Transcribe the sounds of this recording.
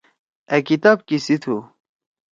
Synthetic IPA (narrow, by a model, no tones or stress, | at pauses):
ekit̪aːb̚kisit̪ʰu